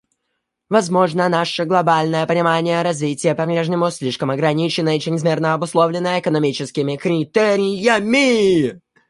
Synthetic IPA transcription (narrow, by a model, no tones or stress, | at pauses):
vɐzmo̞ʐnənaʂəɡlˠɐbalʲnəjəpənʲɪmanʲɪjəɾɐzvʲitʲɪjəpɐbɾʲeʐnʲɪmʊsʲlʲiʂkəmɐɡɾɐnʲit͡ɕɪnːəɪt͡ɕɪɾʲɪzmʲirnəɐbʊslˠovlʲɪnːəjəɪkənɐmʲit͡ɕɪskʲɪmʲɪkɾʲɪt̪ɛɾʲɪjəmʲɪ